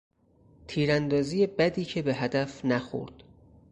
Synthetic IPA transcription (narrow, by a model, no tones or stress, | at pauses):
t̪ʰiːɾænd̪ɒːziːjebæd̪iːcʰe̞be̞ɦæd̪æfnæxo̰ɾd̪̥